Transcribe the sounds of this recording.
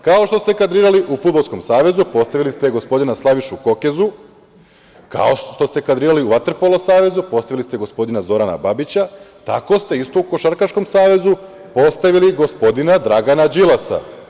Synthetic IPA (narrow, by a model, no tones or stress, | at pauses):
kaoʃt̪o̞st̪e̞kad̪ɾiːɾaliʔufud̪balˠskomsaːʋe̞zupo̞st̪aʋilist̪eɡo̞spo̞d̪inaslˠaʋiʃuko̞ke̞zu | ka̰oʃt̪o̞st̪e̞kad̪ɾiːɾaliuʋat̪ɾpo̞losaːʋe̞zupo̞st̪aʋilist̪eɡo̞spo̞d̪inazo̞ɾana̰babit͡ɕat̪a̰ko̞st̪e̞ist̪o̞uko̞ʃaɾkaʃko̞msaːʋe̞zu | po̞st̪aʋiliɡo̞spo̞d̪inad̪ɾaɡanad͡ʒilˠasa̰